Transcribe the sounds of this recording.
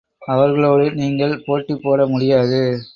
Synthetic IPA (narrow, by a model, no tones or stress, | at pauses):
ɐʋɐɾɣɐɭoːɽɯniːŋɡɐɭpoːʈːipːoːɽɐmʊɽɪjaːðɯ